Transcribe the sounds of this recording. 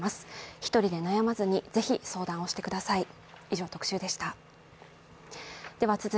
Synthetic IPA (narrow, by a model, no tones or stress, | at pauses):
masɨ̥çi̥t̪o̞ɾʲid̪e̞najamazɨɲ̟ize̞çiso̞ːd̪ão̞ɕi̥t̪e̞kɯ̟d̪asai | iʑo̞ːt̪o̞kɯ̟̥ɕɨːd̪e̞ɕi̥t̪a | d̪̥e̞βat͡sɨz